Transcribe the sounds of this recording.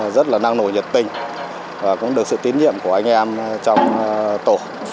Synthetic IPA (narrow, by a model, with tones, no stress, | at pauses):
zə˦˥t̚laː˨˩na˧ŋno˧˩jɲə˨˩p̚t̪ï˧ŋ̟ | vaː˨˩kʊ̰˧˥ŋ͡mɗɨ˨˩ək̚sɨ̰˧˨t̪i˨˦nɲḭ˧˨əmku˧˩əʔa˧jŋ̟ʔɛ˧mt͡ɕɔ˧wŋ͡mt̪o˧˩